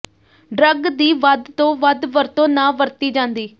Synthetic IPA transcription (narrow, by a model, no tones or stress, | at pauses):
ɖɾəɡd̪iːʋəd̪t̪õːʋəd̪ʋəɾt̪õːnãːʋəɾt̪iːd͡ʒãːnd̪iː